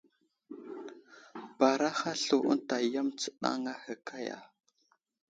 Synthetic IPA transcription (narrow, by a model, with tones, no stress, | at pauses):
ba˨ɾa˦xa˦ɬu˨ʔə̰˦ta˨ja˦mt͡sə̥˨ɗa̰˦ŋa˦hə˨kʰa˦ja̰˨